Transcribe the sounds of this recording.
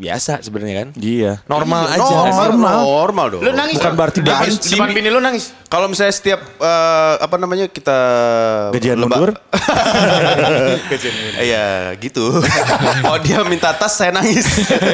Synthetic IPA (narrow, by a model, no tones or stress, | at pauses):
bia̰sasəbənarɲakanianɔrmaland͡ʒarmalrmaldɔ̰lonaŋɪbukanbəart̪ibad͡ʒmanpinilonaŋɪs | kalomisalɲasə̥t̪iap̚əa̰panamaɲakit̪a | ɡad͡ʒianləubadʊr | ɡad͡ʒiaja̰ɡit̪u | adiamint̪aːt̪asːajanaŋɪs